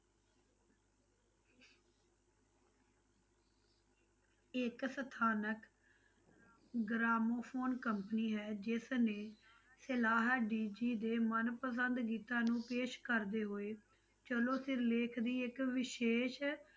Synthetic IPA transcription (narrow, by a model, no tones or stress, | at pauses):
ɪksət̪ʰaːnək | ɡɾaːmoːpʰoːnkəmpəniːɦɛːd͡ʒɪsnẽː | sɪlaːɦɖiːd͡ʒiːd̪eːmənpəsənd̪ɡiːt̪ãːnũːpeːʃkəɾd̪eːɦoːeː | t͡ʃəlõːsɪɾleːkʰd̪iːɪkʋɪʃeːʃ